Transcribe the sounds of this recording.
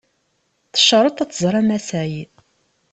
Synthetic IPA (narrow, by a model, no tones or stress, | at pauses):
θə̥ʃəɾˤət̪ˤæt͡sːzˤɾˤæmæsæji